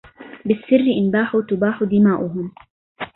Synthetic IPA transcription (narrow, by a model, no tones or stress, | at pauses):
bɪsːɪrːɪʔɪnbaːħut̪ʊbaːħʊd̪ɪmaːʔʊɦʊm